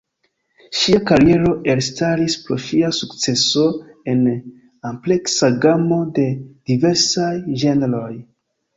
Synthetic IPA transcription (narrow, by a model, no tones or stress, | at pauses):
ʃiakaɾije̞ɾo̞ʔe̞ɾstaɾispɾoʃiasukt͡se̞so̞e̞n | ample̞ksaɡamo̞de̞d̥ive̞ɾsajʒe̞neɾo̞j